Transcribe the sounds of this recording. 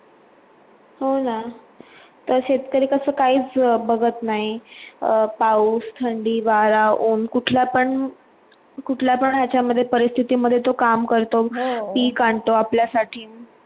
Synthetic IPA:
ɦona | t̪əɾɕet̪kəɾiːkəsəːkaɦiːt͡sbəɡət̪naɦi | pauːst̪ʰəɳɖiːʋaɾauːnkuʈʰljapəɳ | kuʈʰljapəɳɦjat͡ɕaməd̪ʱːjepəɾist̪ʰit̪iːməd̪ʱːjet̪okamkəɾt̪opiːkaɳt̪oapljasaʈʰiː

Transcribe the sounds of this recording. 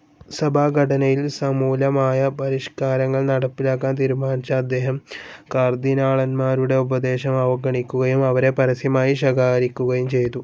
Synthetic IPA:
sɐbʱaːɡʱɐʈʰɐnɐjilsɐmuːlɐmaːjɐpɐɾiʂkaːɾɐŋːɐɭnɐɽɐpːilaːk̬ːaːnt̪iɾumaːnt͡ɕɐːd̪ːe̞ːɦɐmkaːrd̪inaːɭɐnmaːɾuɽe̞ubɐd̪e̞ːɕɐmɐʋɐɡɐɳikʲːuɣɐjumɐʋɐɾe̞pɐɾɐsjɐmaːjiɕɐɡaːɣɐɾikʲːuɣɐjumt͡ɕe̞jt̪u

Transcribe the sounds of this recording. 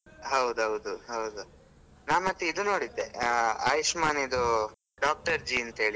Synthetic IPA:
ɦɐwd̪uɦɐwd̪uɦɐwd̪u | naːmɐt̪ːiid̪unoːɽid̪ːea̰ːjiʂmaːnid̪u | ɖaːk̚ʈɐɾd͡ʒiɐnt̪ɐɦeːɭi

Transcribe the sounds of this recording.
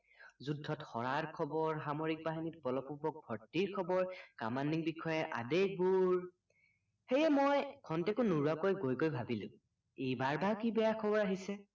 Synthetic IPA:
zudʱːɔtxɔɹaɹkʰɔbɔɹxamoɹik̚paɦinit̚bɔlɔpubɔk̚bʱɔɹtiɹkʰɔbɔɹkamanːiŋbikʰɔjɛʔa̰dek̚buɹ | xejɛmojkʰɔntɛkʊnuɹuakojɡojkojbʱabilʊ̰̃ | ejbaɹbakibɛjakʰɔbɔɹaɦisɛ

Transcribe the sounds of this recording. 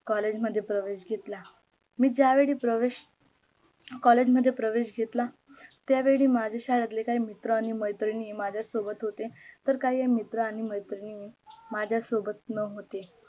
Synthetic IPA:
kɔled͡ʑməd̪ʱːjepɾəʋeɕɡʱet̪la | miːd͡ʑaʋeɭiːpɾəʋeɕ | kɔled͡ʑməd̪ʱːjepɾəʋeɕɡʱet̪la | t̪jaʋeɭiːmad͡ʑʱeɕaɾat̪̬lekaimit̪ɾəaɽ̃iməjt̪ɾiniːmad͡ʑʱjasobət̪ɦot̪et̪əɾkaɦiːɦemit̪ɾəaɽ̃iməjt̪ɾinimad͡ʑʱjasobət̪̚nəɦot̪e

